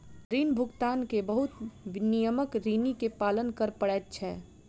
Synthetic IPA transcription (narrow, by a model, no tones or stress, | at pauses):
ɾiːnbʱʊɡt̪aːnkebəɦʊt̪nijəməkɾiːnikepaːlənkəɾpəɽɛːtt͡ʃʰɛː